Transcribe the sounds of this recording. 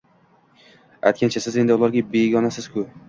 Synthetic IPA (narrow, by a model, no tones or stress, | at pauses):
a̰jt̪̚ʲkʰʲant͡ʃʰasɪze̞nd̪ɪʊlˠaɾɡʲabe̞ɡʲɒnasɪz̥kʰʊ